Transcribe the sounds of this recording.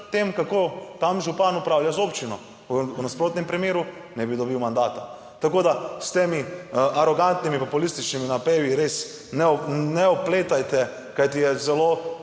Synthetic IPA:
t̪emkakot̪amʒupanupɾaːwljazopt͡ʃinɔ | unaspɾoːt̪nɛmpɾimjeːɾu | nɛbid̪ɔbiwmand̪aːt̪a | t̪akoːd̪ast̪emiʔaɾɔɡant̪nimipɔpulist̪it͡ʃniminapeːʋiɾes | nɛnɛɔpleːt̪ajt̪ɛ | kajt̪ijɛzɛlo

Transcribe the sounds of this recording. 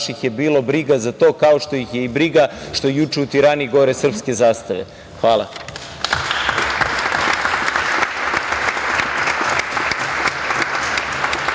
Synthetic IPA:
ʃixje̞biːlo̞bɾiɡazat̪o̞ːkao̞ʃt̪o̞jixje̞ibɾiɡaʃt̪o̞jjut͡ʃe̞ut̪iɾaniiɡoɾesr̩pske̞zaːst̪aʋḛ | xʋaːlˠa̰

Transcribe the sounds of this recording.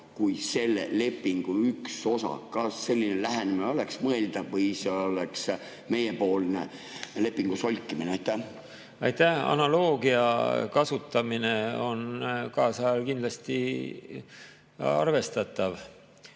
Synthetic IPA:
kujse̞lːḛle̞pːiŋɡ̥uykso̞sɑ̰kɑsːe̞lʲːinelæɦænemineo̞leksmɤe̞ld̪̥ɑvːɤjseoleks | me̞jepo̞ːlnḛ | le̞pːˑiŋɡ̥uso̞lʲkːimineɑjt̪ːæ | ɑjt̪æhɑ̰nɑlo̞ːɡiɑ̰kɑsut̪ːˑɑmine̞o̞̰nkɑːsɑɑlkind̪lɑst̪i | ɑ̰rve̞st̪ɑt̪ːˑɑv

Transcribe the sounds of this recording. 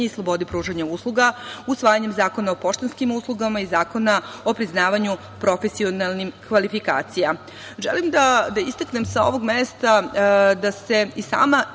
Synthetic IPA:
eislˠo̞bo̞d̪ipɾuːʒaɲauslˠuɡausʋaːjaɲemzaːko̞nao̞po̞ʃt̪enskimuslˠuɡamaizaːko̞na | o̞pɾiznaːʋaɲu | pɾo̞fesio̞nalˠnimkʋalifika̰ːt̪sija | ʒḛlimd̪ad̪aist̪akne̞msao̞̰ʋo̞ɡmest̪ad̪ase̞isa̰ːma

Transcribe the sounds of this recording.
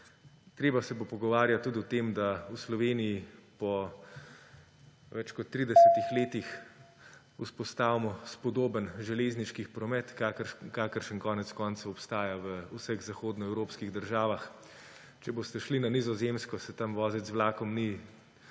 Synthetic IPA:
t̪ɾeːbasɛbopɔɡɔʋaːɾjat̪ːuːd̪iɔt̪emd̪auslɔʋeːnijipɔ | ʋɛt͡ʃkɔt̪ːɾiːd̪ɛsɛt̪ixleːt̪ix | uspɔst̪aːʋimɔspɔd̪oːbənʒɛleːzniʃkipɾɔmɛt̪kakaːkəɾʃənkɔːnɛt̪skɔːnt̪saɔpst̪aːjaʋəusəɣzaxoːd̪nɔɛwɾoːpskiɣd̪əɾʒaːʋax | t͡ʃɛbost̪ɛʃlinanizɔzemskɔsɛt̪amʋɔːzɛzʋlaːkɔmni

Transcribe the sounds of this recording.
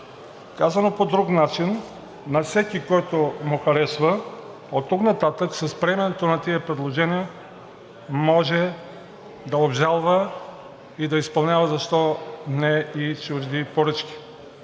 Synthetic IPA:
kazɐnopod̪ɾuknat͡ʃinː | ɐfsɛkʲikɔjt̪omuxɐɾɛsvə | ot̪ːuknat̪at̪əksəspɾɛmɛnɛt̪onɐt̪iəpɾɛd̪lˠoʒɛniə | mɔʒɛ | d̪ɐobʒalˠvə | id̪ɐispɐlˠnʲjavɐzɐʃt̪ɔnɛit͡ʃuʒd̪ipoɾɤt͡ʃkʲi̥

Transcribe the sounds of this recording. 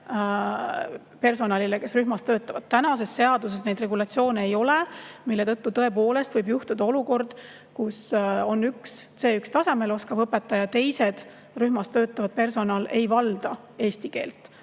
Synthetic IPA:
pe̞rs̬o̞nɑlileke̞sryɦmɑst̪ø̞ːt̪ːˑɑvɑd̪̥̚t̪ænɑse̞sːe̞ɑd̪̥us̬e̞sne̞jd̪̥re̞ɡulɑt̪sio̞ːneejo̞le̞milːe̞t̪ɤt̪ːut̪ɤ̞epo̞ːle̞st̪vɤjbjuht̪ud̪ɑo̞luko̞rd̪̥ | kuso̞nːyksse̞ːykst̪ɑse̞me̞lo̞skɑvɤpːˑet̪ːˑɑjɑt̪e̞jse̞d̪̥ | ryhmɑst̪ø̞ːt̪ˑːɑvɑd̪̥̚pe̞rso̞nɑːle̞jvɑld̪̥ɑ | e̞ːst̪ike̞ːlt̪ːˑ

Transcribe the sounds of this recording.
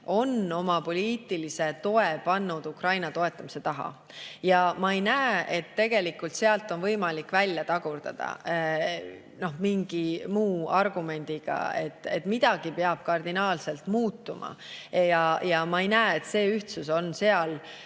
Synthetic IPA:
o̞no̞mɑpo̞lʲiːt̪ˑilise̞t̪o̞e̞pɑnːud̪̥ukrɑjnɑt̪o̞e̞t̪ːˑɑmise̞t̪ɑɦɑ̰ | jɑmɑejnæːe̞t̪ːe̞ɡ̥e̞likːult̪se̞ɑlt̪ːˑo̞nvɤjmɑlikːˑvælʲjɑt̪ɑɡ̥urd̪̥ɑ̰d̪̥ɑ̰ | no̞hmiŋɡ̥imuːɑrɡ̥ume̞nʲd̪̥iɡ̥ɑ̰e̞̰t̪ːˑe̞̰t̪ːmid̪̥ɑɡ̥ipe̞ɑb̥̚kɑrd̪inɑːlse̞lt̪muːt̪ːumʔɑ̰jɑjɑmɑejnæːet̪se̞ːyht̪suso̞nse̞ɑl

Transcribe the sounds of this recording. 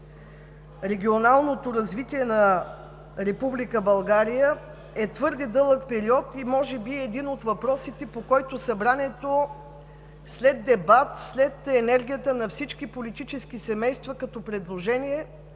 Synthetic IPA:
ɾɛɡʲionalˠnot̪oɾɐzvit̪iɛnɐ | ɾɛpublikəbɐlˠɡaɾijə | ɛt̪vɤɾd̪ɛd̪ɤlˠəkpɛɾiɔt̪imɔʒɛbiɛd̪inot̪vɐpɾɔsit̪ɛpokɔjt̪osɐbɾanɛt̪o | slɛd̪ːɛbat̪slɛt̪ɛnɛɾɡʲijət̪ənɐfsit͡ʃk̟ipolit̪it͡ʃɛskisɛmɛjst̪vɐkɐt̪ɔpɾɛd̪lˠoʒɛniɛ

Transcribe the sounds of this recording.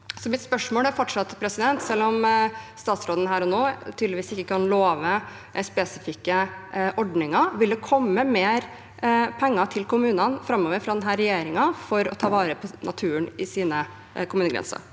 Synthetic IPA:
sɔmɪt̪spœʂmoːlæɾfɔʈʂɑt̪ːpʰɾɛsɪd̪ɛnt̪sɛlːɔmst̪ɑːt̪sɾoːd̪ən̩ɦæːɾɔnoːt̪ʰyːd̪lɪʋiːsɪkːəkʰɑnloːʋə | spɛsɪfɪkːəʔɔɖnɪŋɑʋɪld̪ɛkʰɔmːəmeːɾ | pʰɛŋːɑt̪ʰɪlkʊmʉːnɑnfɾɑmːoːʋəɾfɾɑd̪ɛnɦæɾɛjeːɾɪŋɑfɔɾɔ̰t̪ʰɑːʋɑːɾəpʰɔnʔɑ̰t̪ʰʉːəɳɪsiːnə | kʊmʉːnəɡɾɛ̰nsə̰ɾ

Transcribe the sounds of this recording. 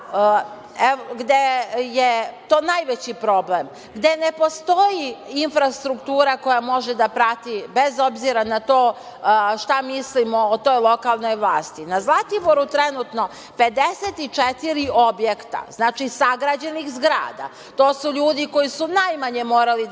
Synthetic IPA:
eoɡd̪ejet̪o̞ːnajʋet͡ɕipɾo̞blem | ɡd̪e̞ne̞po̞st̪o̞jiinfɾast̪ɾukt̪uːɾako̞jamo̞ʒed̪apɾat̪ibezo̞bziɾanat̪oː | ʃt̪amislimoːt̪o̞jlˠo̞kalˠno̞jʋlˠaːst̪inazlˠat̪iboɾut̪ɾenut̪no̞ | ped̪eset̪it͡ʃet̪iɾiʔo̞bje̞kt̪a̰znaːt͡ʃisaɡɾad͡ʑenixzɡɾa̰ːd̪a̰ | t̪oːsuʎuːd̪iko̞jisunajmaɲemoːɾali

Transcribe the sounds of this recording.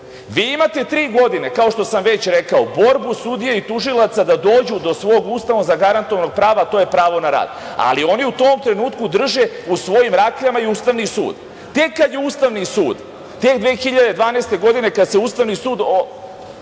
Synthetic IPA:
ʋiːimat̪e̞t̪ɾiːɡo̞d̪ine̞kao̞ʃt̪o̞samʋe̞t͡ɕɾekaobo̞ɾbusud̪ijeit̪uʒilˠat̪sad̪ad̪o̞ːd͡ʑud̪o̞sʋo̞ːɡuːst̪aʋozaɡaɾant̪oʋano̞ɡ̚pɾaːʋat̪o̞ːjepɾaːʋo̞naɾa̰ːd̪ | a̰lio̞niut̪o̞ːmt̪ɾe̞nuːt̪kud̪r̩ʒeusʋo̞jimɾaːkʎamaiust̪aʋnisṵːd̪ | t̪e̞kːad̪jeuːst̪aʋnisuːd̪ | t̪ekd̪ʋeːxiʎad̪e̞d̪ʋaːnest̪e̞ɡo̞d̪ine̞kad̪se̞uːst̪aʋnisuːd̪o

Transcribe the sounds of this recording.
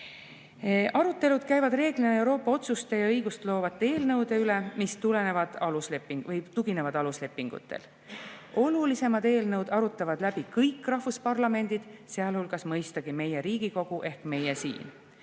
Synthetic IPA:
ʔɑɾut̪ːˑe̞lud̪̥̚kæjvɑd̪̥re̞ːɡ̥lineewɾo̞ːpːˑɑo̞t̪sust̪ejɑɤjɡ̥ust̪lo̞ːvɑt̪ːˑe̞ːlnɤwd̪̥e̞ylemist̪ule̞ne̞vɑd̪̥ɑlusle̞pːiŋɡvɤjt̪uɡ̥ine̞vɑd̪̥ɑlusle̞pːˑiŋɡ̥ṵt̪ːˑḛl | o̞lulise̞mɑd̪e̞ːlnɤwd̪̥ɑɾut̪ːˑɑvɑd̪̥læb̥ikɤjkrɑhvuspɑrlɑme̞nd̪id̪̥seɑlhulɡ̥ɑsmɤjst̪ɑɡ̥ime̞jeɾiːɡ̥iko̞ɡ̥uʔe̞hkme̞jesḭːn

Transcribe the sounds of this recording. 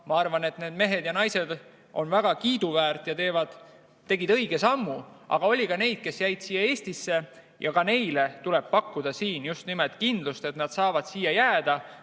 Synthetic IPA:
mɑɑrvɑne̞t̪ne̞ːd̪̥me̞ɦe̞d̪jɑnɑjse̞d̪ | ʔo̞̰nvæɡ̥ɑkiːd̪̥uvæːrt̪ˑjɑt̪e̞ːvɑd̪̥ | t̪ːe̞ɡid̪ɤ̞jɡ̥e̞sɑmːuʔɑ̰ɡ̥ɑo̞lʲikɑne̞jd̪̥̚ke̞sjæjd̪̥siːjːɑeːst̪isːe̞ | jʔɑkɑne̞jle̞t̪ule̞b̥̚pɑkːud̪̥ɑsiːnjust̪nimelt̪̚ˑkind̪̥lust̪e̞t̪nɑd̪sɑːvɑd̪̥siːjɑjæːd̪̥ɑ

